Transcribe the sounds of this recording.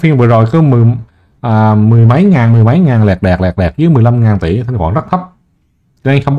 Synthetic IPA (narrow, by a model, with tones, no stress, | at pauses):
fi˧əŋvə̰˧˨əzo˨˩jkɔ˨˦mɨ˨˩ | ʔəː˨˩mɨ˨˩əjma˨˦jŋaː˨˩nmɨ˨˩əjma˨˦jŋaː˨˩nlɛ˨˩k̚ɗɛː˨˩k̚lɛː˨˩k̚ɗɛː˨˩k̚zɨ˨˦jmɨ˨˩əjla˧mŋaː˨˩nt̪ḭ˧˩˦t̪ʰa˧ŋkwaː˧˩nzə˦˥k̚t̪ʰə˦˥p̚ | t͡ɕːʔa˧jxə˧wŋ͡mɓ